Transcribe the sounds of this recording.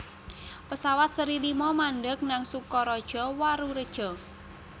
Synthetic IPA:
pəsawat̪̚səɾilimɔmanɖək̚naŋsukɔɾɔd̥ʒ̥ɔwaɾuɾəd̥ʒ̥ɔ

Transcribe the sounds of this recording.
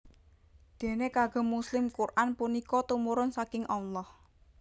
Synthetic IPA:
d̪̥e̤nekaɡ̥ɔ̤muslɪmkurʔanpunikɔt̪umuɾʊnsakɪŋʔɑlːɑh

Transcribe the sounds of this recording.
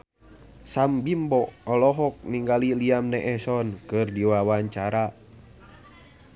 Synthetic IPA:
sambimbɔɔlɔɦɔk̚niŋɡaliliamnɛʔɛsɔnkɨrdiwawaɲt͡ʃaɾa

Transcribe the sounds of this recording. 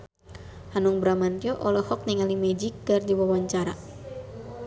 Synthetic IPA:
hanuŋbɾamant̪iɔʔɔlɔhɔk̚ɲɛŋalimɛd͡ʒik̚ːardiwawaɲt͡ʃaɾa

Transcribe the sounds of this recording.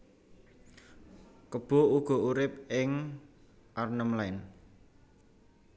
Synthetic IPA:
kəb̥ɔ̤uɡ̥ɔ̤uɾɪp̚ɪŋ | ʔarnəmlaɪn

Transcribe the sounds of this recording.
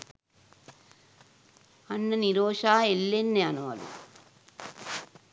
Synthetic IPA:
ɐnːɐniɾoːʂaːelːenːeɐnuʋɐ̰lṵ

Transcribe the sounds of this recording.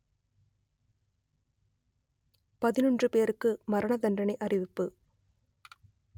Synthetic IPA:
pɐðɪnɔndrɯpeːɾɯkːɯmɐɾɐɳɐðɐnɖɐnɐɪʔɐrɪʋɪpːɯ

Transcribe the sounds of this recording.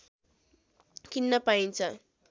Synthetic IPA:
kinːʌpaint͡sʰʌ

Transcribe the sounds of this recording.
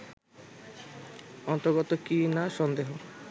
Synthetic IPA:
ɔnt̪ɔɾɡɔt̪okinaʃɔnd̪eɦo

